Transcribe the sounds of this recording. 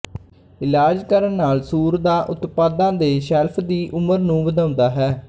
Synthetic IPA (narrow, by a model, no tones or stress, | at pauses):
ɪlaːd͡ʒkəɾənːaːlsuːɾd̪aːʔʊt̪paːd̪ãːd̪eːʃɛlpʰd̪iːʔʊməɾnũːbəd̪ãːʊnd̪aːɦɛː